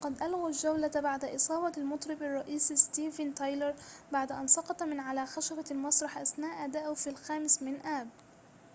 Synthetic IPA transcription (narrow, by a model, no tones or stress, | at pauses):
qɑd̪ʔalɣuld͡ʒawlabaʕd̪aʔɨsˤɑːbɑlmʊt̪ˤɾɨbɑrˤːɑʔiːsst̪iːfɪnt̪ɑjlɑɾˤbaʕd̪ʔansˤɑqɑt̪ˤɑmɪnʕalaːxaʃafalmɑsˤɾˤɑħʔasnaːʔʔad̪aːʔhfilxaːmɪsmɪnʔaːb̚